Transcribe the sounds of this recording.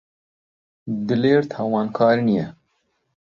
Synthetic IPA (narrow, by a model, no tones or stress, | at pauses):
d̪ɨleːɾt̪ʰɑːwɑːnkʰɑːɾɨnijɛ